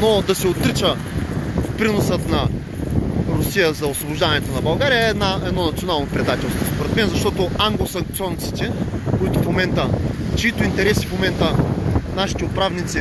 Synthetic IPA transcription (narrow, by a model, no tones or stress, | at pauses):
nod̪ɐsɛot̪ɾit͡ʃə | fpɾinosət̪nɐ | ɾʊsijəzɐosvobʊʒd̪anɛt̪onɐbɐlˠɡaɾijəɛd̪naɛd̪nɔnɐt̪sionalˠnopɾɛd̪at̪ɛlˠst̪vospoɾɛt̪mɛnzɐʃt̪ɔt̪oaŋɡlˠosɐŋk̚t̪ɔnt̪si̥t̪ɛkoit̪ʊfmomɛnt̪ət͡ʃiit̪oint̪ɛɾɛsifmomɛnt̪ənaʃi̥t̪ɛʊpɾavnit̪si